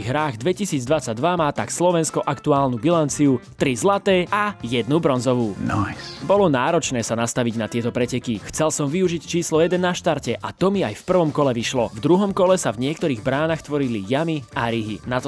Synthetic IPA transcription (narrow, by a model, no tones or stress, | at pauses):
iɦɾaːɣd̪ʋɛcisiːd͡zd̪ʋat͡saɟ̚d̪ʋamaːt̪akslɔʋɛnskɔʔakt̪uaːlnubilant͡siut̪ɾizlat̪ɛːajɛd̪nubɾɔnzɔʋuːnɔbɔlɔnaːɾɔt͡ʃnɛːsanast̪aʋiɟnat̪ɪɛt̪ɔpɾɛcɛkixt͡sɛlsɔmʋiuʒict͡ʃiːslɔjɛd̪ɛnːaʃt̪aɾcɛʔat̪ɔmiajfpr̩ʋɔmkɔlɛʋiʃlɔvd̪ɾuɦɔmkɔlɛsavɲɪɛkt̪ɔɾiːɣbɾaːnaxt̪ʋɔɾilijamiaɾiɦḭnat̪ɔ